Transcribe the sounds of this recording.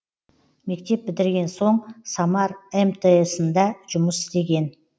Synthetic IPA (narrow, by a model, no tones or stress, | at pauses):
me̞k̚t̪e̞p̚bɪd̪ɪɾɡʲe̞nso̞ɴsɑmɑɾemt̪ʰeesənd̪ɑʒʊməsɪ̥zt̪e̞ɡʲe̞n